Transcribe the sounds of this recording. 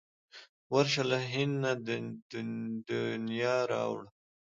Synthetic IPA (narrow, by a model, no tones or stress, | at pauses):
waɾʃalaɦɪnd̪nad̪d̪d̪ʊnjɑɾɑ̰wɽ